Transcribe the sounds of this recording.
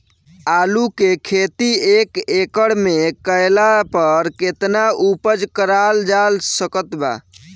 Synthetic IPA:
alukekʰet̪iekekəɽmekəjlapəɾket̪naupəd͡ʒkəɾald͡ʒalsəkət̪ba̰

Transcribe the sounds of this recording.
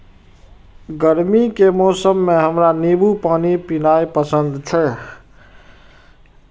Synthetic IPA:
ɡəɾmikemɔsəmːeɦəmɾanibupanipinajpəsənd̪t͡ʃʰɛ

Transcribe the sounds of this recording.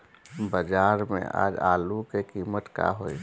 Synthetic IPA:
bəd͡ʒaːɾmḛ̃a̰ːd͡ʒaːlukekiːmət̪ka̰ɦoi

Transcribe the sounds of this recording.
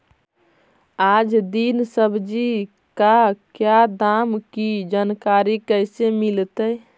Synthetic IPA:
ad͡ʒd̪insəbʱd͡ʒi | kakjad̪amkid͡ʒankaɾikəɪsemilt̪əj

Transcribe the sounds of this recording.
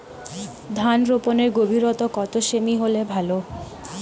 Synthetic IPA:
d̪ʱanɾoponeɾɡobʱiɾot̪okɔt̪oʃemiɦolebʱalo

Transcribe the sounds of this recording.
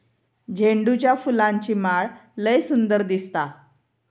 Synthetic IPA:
d͡ʑʱeɳɖut͡ɕjafulãɲt͡ɕiːmaɭləjsund̪əɾd̪ist̪a

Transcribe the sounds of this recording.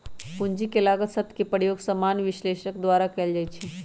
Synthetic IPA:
pʊnd͡ʒikelaːɡəsət̪ʰkepəɾjoːɡsəmaːnʋɪʃleːʃəkd̪waːɾakɛld͡ʒaːit͡ʃʰi

